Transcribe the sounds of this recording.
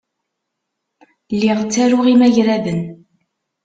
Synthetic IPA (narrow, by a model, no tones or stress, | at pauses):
lːiʁt͡sːæɾʊʁimæʝɾæðən